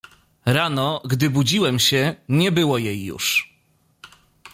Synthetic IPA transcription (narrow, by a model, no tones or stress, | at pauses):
ɾanɔɡd̪ɘbud͡ʑiwɛmɕɛɲɛbɘwɔjejːṵʂ